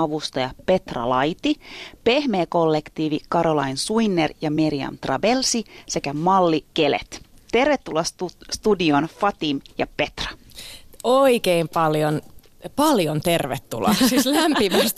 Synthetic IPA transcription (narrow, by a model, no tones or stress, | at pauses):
ɑʋust̪ɑjɑpe̞t̪rɑ̰lɑjt̪ipe̞hmeːko̞lːekt̪iːʋikɑɾolɑ̰insuinːerjɑmiɾiɑ̰mt̪rɑ̰belsise̞kæmɑlːikelḛt̪ | t̪e̞rʋet̪ːulɑsust̪udio̞nfɑt̪imjɑ̰pe̞t̪rɑ̥ | oikeimpɑljon | pɑljont̪erʋet̪ːṵlɑ̰sislæmpimæst̪